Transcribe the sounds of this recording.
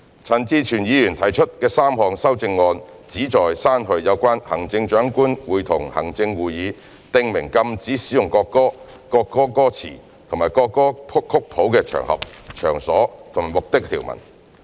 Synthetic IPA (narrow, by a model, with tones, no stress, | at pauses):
t͡sʰɐ˨˩nt͡siː˧t͡ʃʰyː˨˩njiː˨˧jyː˨˩nt̪ʰɐ˨˩jt͡ʃʰɵ˥t̚kɛː˧saː˥mhɔː˨ŋsɐ˥wt͡sɪ˧ŋːɔː˧n | t͡siː˨˥t͡sɔː˨jsaː˥nɦɵ˧ɥjɐ˨˧wkʷaː˥nhɐ˨˩ŋt͡sɪ˧ŋt͡ʃœː˨˥ŋkuː˥nwuː˨jt̪ʰʊ˨˩ŋhɐ˨˩ŋt͡sɪ˧ŋwuː˨jiː˨˧ | t̪ɪ˧ŋmɪ˨˩ŋkɐ˧mt͡siː˨˥siː˨˥jʊ˨ŋkɔː˧kːɔː˥ | kɔː˧kːɔː˥kɔː˥t͡sʰḭː˨˩ | t̪ʰʊ˨˩ŋmaː˨˩jkɔː˧kːɔː˥pʰʊ˥kʰːʊ˥k̚pʰo˨˥wkɛː˧t͡ʃʰœ̰ː˨˩ŋhɐ̰˨p̚t͡ʃʰœː˨˩ŋsɔː˨˥t̪ʰʊ˨ŋmaː˨˩jmʊ˨k̚t̪ɪ˥k̚t̪ʰiː˨˩wmɐ̰˨˩n